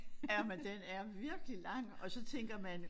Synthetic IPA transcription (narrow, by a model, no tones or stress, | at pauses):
æmend̥enæɐʋiɐɡ̥əlilɑ̈ŋ̰ɒ̽sɒ̽t͡sʰeŋ̰ɡ̥ɐmæn